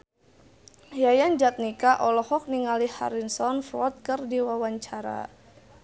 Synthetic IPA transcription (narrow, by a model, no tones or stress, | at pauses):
jajand͡ʒat̪̚nikaʔɔlɔhɔk̚niŋaliha̰ɾinsɔnfɾɔt̪̚kɨrdiwawaɲt͡ʃaɾa̰